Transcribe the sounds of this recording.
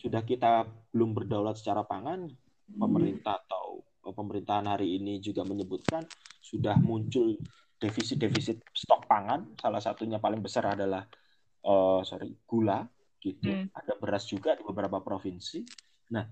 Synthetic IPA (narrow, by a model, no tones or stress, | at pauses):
sudahkit̪ab̥əlʊmbərdaulat̪sə̥t͡ʃaɾapaŋan | pəməɾint̪ahat̪aw | ʔəpəməɾint̪aɦanɦaɾiːnid͡ʒuɡaməɲəbut̪̚kansudahmuɲt͡ʃʊl | d̥efisɪt̪̚defisɪt̪̚st̪ɔk̚paŋansalahsat̪uɲapalɪŋbəsaradalah | ʔəːso̰ɾḭɡ̥ula | kit̪uadabəɾasd͡ʒuɡadibəbəɾapapɾofinsi | nah